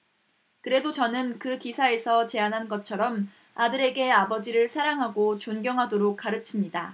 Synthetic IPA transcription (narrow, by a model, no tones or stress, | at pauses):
kɯɾe̞dot͡ɕʌnɯnkɯkisʰae̞sʰʌt͡ɕe̞anɦanɡʌt̚t͡ɕʰʌɾʌm | adɯɾe̞ɡe̞abʌd͡ʑiɾɯɭsʰaɾaŋɦaɡot͡ɕonɡjʌŋɦadoɾok̚k͈aɾɯt͡ɕʰimɲida